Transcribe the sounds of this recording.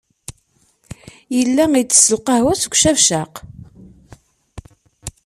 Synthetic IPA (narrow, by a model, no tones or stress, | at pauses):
jəlːæit͡sːə̥sːəlqɑhwæsɡʷʃævʃæq